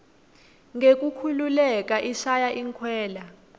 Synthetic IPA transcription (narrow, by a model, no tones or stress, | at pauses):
ŋɡek̬ʼukʰululɛk̬ʼaʔiʃajaʔiŋkʰwɛːla